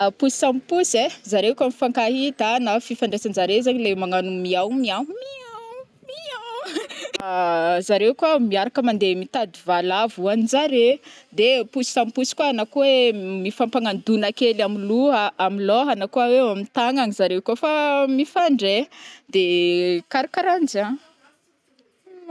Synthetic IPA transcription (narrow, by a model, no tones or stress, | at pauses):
pusi̥sampusezaɾekʲamifaŋkaɦit̪anafifaɳɖ͡ʐesanzaɾezaɲilemaŋanumiawmiawmiaw | miaw | zaɾewkwamiaɾakəmand̪emit̪ad̪ivalavuanizaɾed̪epusi̥sampusi̥kwaanakuwemifampaŋand̪unakelamiluaamilɔɦanakuawewamint̪aŋaɲizaɾewkofamifaɳɖ͡ʐed̪ekaɾikaɾand͡ʒa